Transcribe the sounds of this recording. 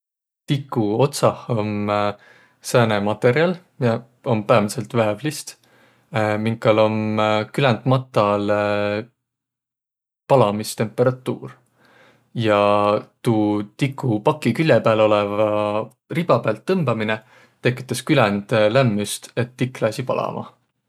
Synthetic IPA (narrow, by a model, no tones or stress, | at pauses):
t̪ikˑːuo̞t̪sɑho̞m | sænemɑt̪ːˑe̞ɾjɑlmi | o̞mpæːvɑnse̞lt̪væevlist̪ | miŋkːɑlo̞mkylɛnd̪̥mɑt̪ːˑɑl | pɑlɑmist̪e̞mpːˑe̞ɾɑt̪ːˑuːr | jɑt̪uːt̪ikːˑupɑkːˑikylʲjepæːlo̞levɑ | rib̥ɑpæːlt̪ːɤmb̥ɑmine | t̪e̞kːˑi̥t̪ːˑɑskylɛnd̪̥læmːyst̪e̞t̪ːikːˑlæsipɑlʔɑ̰mʔɑ̰